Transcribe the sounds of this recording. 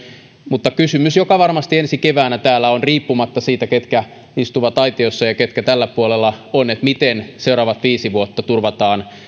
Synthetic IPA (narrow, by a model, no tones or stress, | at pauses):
mut̪ːɑkysymysjokɑʋɑrmɑst̪iensikeʋæːnæt̪æːlːæonriːpːumɑt̪ːɑsiːt̪æket̪kæ | ist̪uʋɑt̪ɑit̪iosːɑjɑket̪kæt̪ælːæpuolelːɑonet̪mit̪enseuɾɑːʋɑt̪ʋiːsiʋuot̪ːɑt̪urʋɑt̪ɑːn